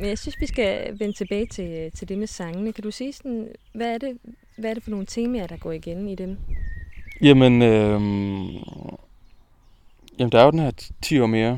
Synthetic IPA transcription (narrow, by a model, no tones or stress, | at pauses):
menjɑ̈ɪsynsʋisɡ̥æʋent͡sʰe̝b̥ɛ̰ːɪt͡sʰe̝lt͡sʰe̝ld̥e̝mesɑ̈ŋənəkʰæd̥usiːsɒn̩ʋæːɐɾ̥e̝ | ʋæɐɾe̝fɒ̽no̝ːn̩t͡sʰe̝̰ːmɛɐd̥ɑ̈ɡ̥ɒ̰ːiɡ̥enid̥en | jæmənø | jæmnd̥ɑ̈æɐjod̥enhæɐt͡sʰḭːɒ̰ːme̝ːɐ